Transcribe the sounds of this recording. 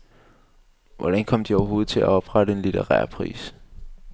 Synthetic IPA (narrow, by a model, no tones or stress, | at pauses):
ʋɒɾ̥ænkʰɒ̽m̰d̥iɒʊɐɦo̝ːð̞̩ˠt͡sʰe̝læɒ̽b̥ʁɑ̈ɾəe̝nlidʰeʁæːɐ̰pʰʁḭːs